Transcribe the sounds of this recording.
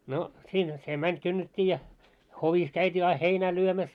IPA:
no siːnhæ se mænʲ kynːetʲːiː jɑ hoʋis kæytʲiː ɑi heinæː lyømæs

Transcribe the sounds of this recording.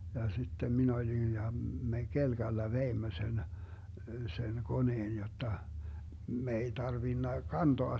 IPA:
jɑ sitːem min olin jɑ me kelɡ̊ɑlːɑ ʋeimːø sen sen koneːn jotːɑ me ei tɑrʋinːɑ kɑntoɑ

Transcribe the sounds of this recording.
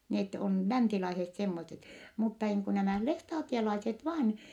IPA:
net on lænsilɑiset semːoset mutːɑ niːŋ ku næmæˑ lestɑːtielɑiset ʋɑːn

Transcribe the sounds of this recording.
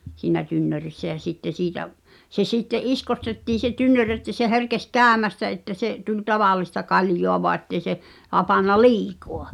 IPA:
siːnæ tynːørisːæ jɑ sitːe siːtæʔ se sitːeʔ ʔiskostetːiː se tynːør etːæ se herkes kæːmæstæ etːæ seʔ tulʲ tɑʋɑlˑistɑ kɑljoɑ ʋoɑ ĕtːei̞ se hɑpɑnːɑ liːkoɑ

